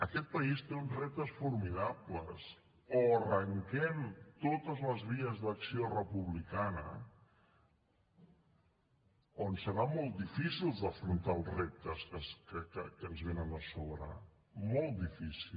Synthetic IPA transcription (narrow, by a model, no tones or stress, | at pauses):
əkɛt̪̚pəist̪eunzrep̚t̪əsfuɾmiðapləs | orəŋkɛmt̪ot̪əzləzβ̞iəzðəksiorəpuβlikanə̰ | onsəɾamɔlˠt̪̚d̪ifisilˠzd̪əfɾunt̪aːlˠzrep̚t̪əskəskəkəkənzβenənəsoβɾə̰ | mɔlˠt̪̚d̪ifisil